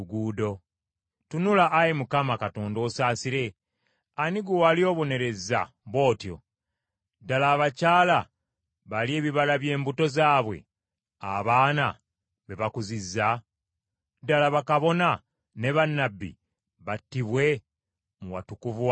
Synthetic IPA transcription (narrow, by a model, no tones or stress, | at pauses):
ɡuːdo̞ | tunulaʔːjemukamakato̞ːndo̞ːsaːsiɾe̞ | aniɡuwalio̞ːβo̞ne̞ɾe̞zːa̰ | βo̞ːtjo̞̰ | dalaːβacaːla | βalie̞ːβiβalaβje̞ːmbuto̞zaːβwe̞̰ | a̰βaːna | βe̞βakuzizːa | dalaβakaβo̞na | ne̞βanːabːḭ | βatːiβwe̞ | muwa̰tukuv